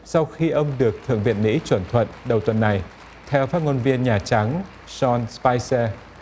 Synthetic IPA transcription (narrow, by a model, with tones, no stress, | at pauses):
sa˧wxi˧ʔə˧wŋ͡mɗɨ˨˩ək̚t̪ʰɨ̰˧˨əŋvḭ˧˨ənŋḭ˧˥t͡ɕwə˧˩nt̪ʰwə̰˧˨nɗə˨˩wt̪wə˨˩nːa˨˩j | t̪ʰɛ˧wfaː˦˥t̚ŋo˧nvi˧ənɲaː˨˩t͡ɕa˨˦ŋ | z̥ɔ˧nspaː˧jsɛ˧